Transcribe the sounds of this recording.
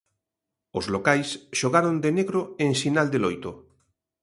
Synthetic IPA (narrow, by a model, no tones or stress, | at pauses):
ozlokajsʃoɣaɾond̪eneɣɾoẽŋʃinald̪elojt̪o